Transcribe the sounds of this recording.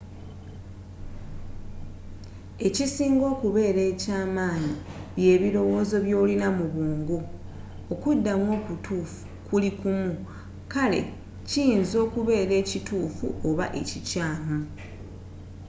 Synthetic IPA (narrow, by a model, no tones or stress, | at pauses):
e̞cisiːŋɡo̞ːkuβe̞ːɾe̞ːcaːmaːɲiβje̞ːβiɾo̞wo̞ːzo̞βjo̞ːlinamuβuːŋɡu | okudːamwo̞ːkutʰuːfu̥ | kulikumu | kale̞̰ | cijinzo̞ːkuβe̞ːɾe̞ːcituːfṵʔo̞βa̰ʔe̞cicaːmu